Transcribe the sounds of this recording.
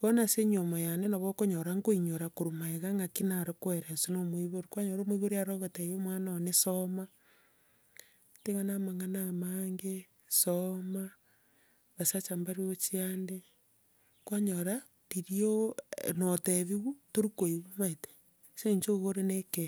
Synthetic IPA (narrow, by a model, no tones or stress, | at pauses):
βɔnaseɲomojanenaβɔkoɲoɾaŋɡoiɲoɾakoɾumaeɣaŋakinaɾokweɾesonomoiβoɾikwaɲoɾomoiβoɾiaɾoɣotejomwanaonesoma | teɣanamaŋanamaŋɡe | soma | βasat͡ʃambaɾiot͡ʃiande | kwaɲoɾa | ɾiɾionoteβiɣutoɾikoiβumaete̥ | seɲt͡ʃoɣoɾeneke